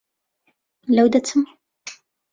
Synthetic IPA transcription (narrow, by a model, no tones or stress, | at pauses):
lawd̪at̪ʰʊm